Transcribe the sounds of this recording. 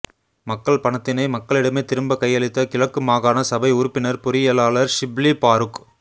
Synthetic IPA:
mɐkːɐɭpɐɳɐt̪ːɪnɐɪmɐkːɐɭɪɽɐmeːt̪ɪɾɯmbɐkɐjːɐɭɪt̪ːɐkɪɻɐkːɯmaːɣaːnɐsɐbɐɪʊɾʊpːɪnɐɾpʊɾɪjɐlaːɭɐɾʂɪblipaːɾɯk

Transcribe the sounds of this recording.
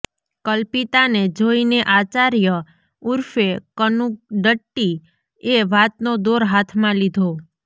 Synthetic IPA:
kəlpit̪aned͡ʒoineʔat͡ʃaɾjə | uɾfekənukɖəʈːi | eʋat̪̚nod̪oɾɦat̪ʰmãlid̪ʱo

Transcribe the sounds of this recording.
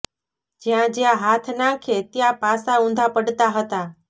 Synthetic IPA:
d͡ʒjãd͡ʒjãɦat̪ʰnãkʰet̪jãpasaũnd̪ʱapəɽt̪aɦət̪a

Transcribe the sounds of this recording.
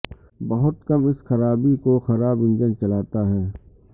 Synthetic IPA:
bɐɦʊt̪kɐmɪsxɐɾaːbikoxɐɾaːbɪ̃nd͡ʒənt͡ʃɐlaːt̪aɦɛː

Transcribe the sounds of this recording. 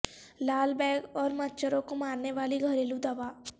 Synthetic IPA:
laːlbɛːɡɔːɾmɐtːʃʰəɾõkomaːɾneʋaːliɡʱəɾeːlũd̪ɐʋaː

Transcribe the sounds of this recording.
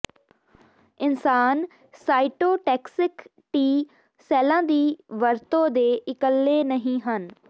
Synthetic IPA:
ɪnsaːn | saːɪʈoːʈɛːksɪk | ʈiː | sɛːlãːd̪iːʋəɾt̪õːd̪eːʔɪkəlːeːnəɦĩːɦən

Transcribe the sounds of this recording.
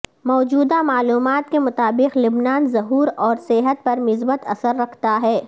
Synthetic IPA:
mɔːd͡ʒuːd̪amaːluːmaːt̪kemʊt̪aːbɪqlʊbnaːnzɐɦuːɾɔːɾsɛɦət̪̚pɐɾmɪzbət̪ɐsəɾːɐkʰt̪aɦɛː

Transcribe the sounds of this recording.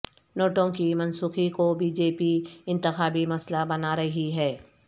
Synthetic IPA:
noːʈõkimɐnsuːxikobiːd͡ʒeːpiɪ̃nt̪ɪxaːbimɐslabɐnaɾɐɦiɦɛː

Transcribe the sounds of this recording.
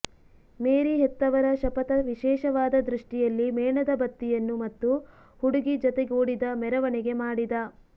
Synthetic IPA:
meːɾiɦɛt̪ːɐʋɐɾɐʃɐpɐt̪ɐʋiʃɛːʃɐʋaːd̪ɐd̪ɾuʂʈijɐlːimɛːɳɐd̪ɐbɐt̪ːijɐnːumɐt̪ːu | huɽuɡid͡ʒɔt̪eɡoːɽid̪ɐmɛɾɐʋɐɳɛɡe̞maːɽid̪ɐ

